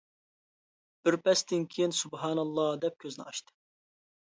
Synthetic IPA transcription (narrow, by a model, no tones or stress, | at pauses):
b̥ɪɾpʰɛst̪ɪnkʲʰijinsubɦɑːnɑlˠːɑːd̪ɛp̚kʲʰøznɪɑʃt̪ɨ̥